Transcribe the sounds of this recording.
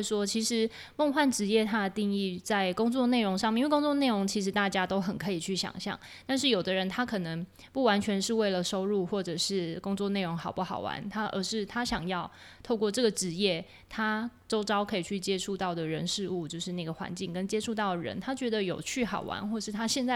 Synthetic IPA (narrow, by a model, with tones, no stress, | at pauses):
ʂwɔ˦˥t͡ɕʰi˧˥ʂɻ̩˧˥ | mo˥˧ŋxwa˥˩nʈ͡ʂɻ̩˧˥jɛ˥˨t̪ʰa˥d̪ə˨t̪i˥˧ŋi˥˧t͡sa˥˩ɪkʊ˥ŋt͡swɔ˥˧ne˥˩ɪɻo˧˥ŋʂ̬ɑ˥˧ŋmjkʊ˥ŋt͡swɔ˥˧ne˥˩ɪɻo˧˥ŋt͡ɕʰi˧˥ʂ̬ɻ̩˧˥t̪a˥˩t͡ɕja˥t̪o˥ʊxə˨˩nkʰɤ˧˥i˨˩t͡ɕʰy˥˩ɕjɑ̰˨˩ŋɕjɑ̰˥˩ŋ | t̪a˥˧nʂ̬ɻ̩˥˩jo˨˩ʊd̪ə˦ɻə˧˦nt̪ʰa˥kʰɤ˨˩nə˧˦ŋ | pu˥˩wa˧˥nt͡ɕʰɥɛ˧˥nʂɻ̩˥˧we˥˩ɪlə˩ʂo˥ʊɻu˥˧xwɔ˥˩ʈ͡ʂɤ˨˩ʂɻ̩˥˩kʊ˥ŋt͡swɔ˥˧ne˥˩ɪɻo˧˦ŋxɑ˨˩ʊpu˥˩xɑ˨˩ʊwa̰˧˦nt̪ʰa˥ʔə̰˧˥ʂɻ̩˥˩t̪ʰa˥ɕjɑ˨˩ŋjɑ˥˧ʊ | t̪ʰo˥˧ʊkwɔ˥˧ʈ͡ʂɤ˥˩ɡə˩ʈ͡ʂɻ̩˧˥jɛ˥˩ | t̪ʰa˥ʈ͡ʂo˥ʊʈ͡ʂɑ˥ʊkʰɤ˧˥i˨˩t͡ɕʰy˥˩t͡ɕjɛ˥ʈ͡ʂʰu˥˧t̪ɑ˥˩ʊd̪ə˩ɻə˧˥nʂɻ̩˥˧u˥˧t͡ɕjo˥˧ʊʂɻ̩˥˧na˥˩ɡə˩xwa̰˧˦nt͡ɕi˥˩ŋkə˥˦nt͡ɕjɛ˥ʈ͡ʂʰu˥˧t̪ɑ˥˩ʊd̪ə˩ɻə̰˧˦nt̪ʰa˥t͡ɕɥɛ˧˥d̪ə˧jo˨˩ʊt͡ɕʰy˥˩xɑ˨˩ʊwa̰˧˥nxwɔ˥˩˧ʂɻ̩˥˩t̪ʰa˥ɕjɛ˥˧nt͡sa˥˩